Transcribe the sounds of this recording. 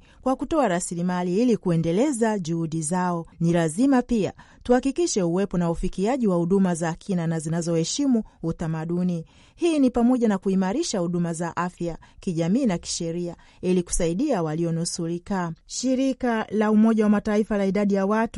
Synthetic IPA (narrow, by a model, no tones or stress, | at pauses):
kwakutɔaɾasilimaliilikuɛndɛlɛzaʄuhuɗizaɔnilazimapia̰ | tuhakikiʃɛuwɛpɔnaufikiaʄiwahuɗumazaːkʰinanazinazɔhɛʃimuːtamaɗuni | hiːnipamɔʄanakuimaɾiʃahuɗumazaʔafjakiʄamiːnaki̥ʃɛɾia | iliku̥saiɗiawaliɔnusuɾikaʃiɾikalaumɔʄawamataifalaiɗaɗijawat